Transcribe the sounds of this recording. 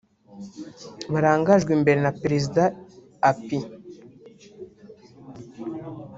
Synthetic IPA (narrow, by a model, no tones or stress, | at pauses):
βaɾaːŋɡaʒɡwimbe̞ɾenapeɾezidaː | pi